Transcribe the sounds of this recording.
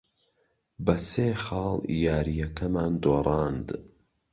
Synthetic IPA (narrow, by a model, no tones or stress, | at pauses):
bɐseːxɑːlˠjaːɾijɐkɐmaːnd̪oːrˤɑːnd̪